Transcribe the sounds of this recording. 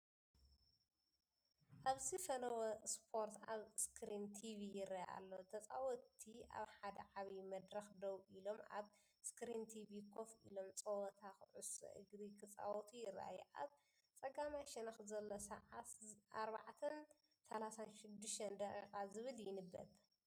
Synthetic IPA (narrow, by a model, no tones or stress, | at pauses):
ʔaβzɨfɐlɐwɐspʰo̞ɾt̪aβskʰɾint̪ʰivijɪɾɐjʔa̰lːo̞t̪ʰɐt͡sʼawɔt̪ʰiʔa̰βħad̪ɐʕaβimɐd̪ɾɐxd̪ɐwʔilo̞mʔa̰β | skɾint̪ʰivikʰo̞fḭlo̞mt͡sʼɐwɐt̪ʰakɨʕusɐ̰ʔɨ̰ɡɾikʰɨt͡sʼa̰wɔt̪ʰujɪra̰jɛʔa̰β | t͡sʼɐɡamajʃɛnɐxzɐlːosɐʕat̪ʔaɾbaʕt̪ʰɐn | sɐlasanʃɪd̪ːɨʃt̪ɐnd̪ɐkʼikʼazɨβɨljɪnɨbːɐ̰t̪